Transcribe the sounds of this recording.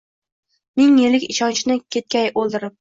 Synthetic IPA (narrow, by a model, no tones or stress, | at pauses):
mɪŋːelɪkʲɪʃɒnt͡ʃʰnɪkʲʰe̞t̪̚kʲajʔolˠd̪ɪɾɪp̚